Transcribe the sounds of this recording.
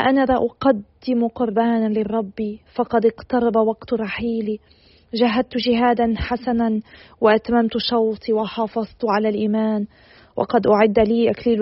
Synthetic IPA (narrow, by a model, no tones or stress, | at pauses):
ʔanalaʔʊqad̪ːɪmʊqʊɾbaːnalɪrˤːɑbːifɑqɑd̪ɪqt̪ɑɾˤɑbawaɡt̪ɾˤɑħiːli | ʒaɦːad̪̚t̪ʊʒɪɦaːd̪anħasananwɪʔat̪mamt̪ʊʃɑwt̪ˤiwɪħɑːfɑzˤt̪ʕalalʔiːmaːn | wʔɑ̰qɑd̪ʔʊʕɪd̪ːaliːʔakliːl